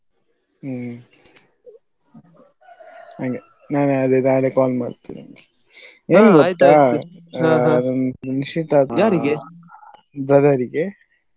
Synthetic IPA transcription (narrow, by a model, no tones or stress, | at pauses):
aŋɡe | naːneɐd̪ed̪aːɡɭekaːlmaːɽt̪ːḭna̰ŋɡe | eːnɡot̪ːa | d̪ɐnniʃiʈ̪aːt̪aɾ | bɾɐd̪ɐɾiɡe